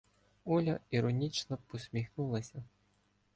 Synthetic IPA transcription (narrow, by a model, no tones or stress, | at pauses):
ulʲɐiɾɔnʲit͡ʃnɔpɔsʲmʲixnulˠɐsʲɐ